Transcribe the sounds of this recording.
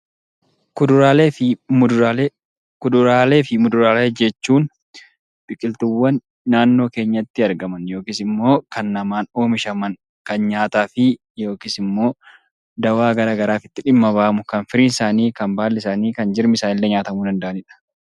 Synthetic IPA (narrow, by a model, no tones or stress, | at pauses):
kʊd̪ʊɾaːleːɪmʊal | kʊd̪ʊɾaːle̞ːfɪmʊd̪ʊɾaːleːd͡ʒɛt͡ʃːuːn | bɪkʼɪlt̪ʊwːɐnː | aːnːo̞ːke̞ːɲːɐt̪ːɪɐɾɡɐmɐnjo̞ːkiːsɪmːo̞ːkɐnːɐmaːno̞ːmɪʃɐmɐn | kɐnɲaːt̪aːfɪ | jo̞ːkiːsɪmːo̞ː | d̪ɐwaːɡɐɾaːɡɐɾaːfɪt̪ːɪᶑɪmːɐbaːʔɐmʊkɐnfɪɾiːnɪsaːniːkɐnbaːlːɛɪsaːniːkɐnd͡ʒɪɾmɪsaːnɪlːɛɲaːt̪ɐmud̪ɐnd̪ɐʔɐnɪᶑɐ̥